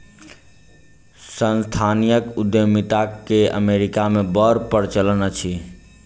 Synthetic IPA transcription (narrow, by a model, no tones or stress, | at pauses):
sənst̪ʰanijəkud̪jəmit̪akːeə̰meɾikamebəɾpəɾt͡ʃəlnət͡ʃʰi